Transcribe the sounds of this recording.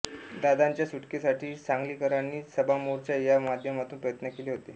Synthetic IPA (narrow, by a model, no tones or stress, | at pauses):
d̪ad̪aɲt͡ɕjasuʈkesaʈʰiːt͡saŋɡliːkəɾanːiːsəbamoɾt͡ɕjajamad̪ʱjəmat̪uːnpɾəjət̪nəkeleɦot̪e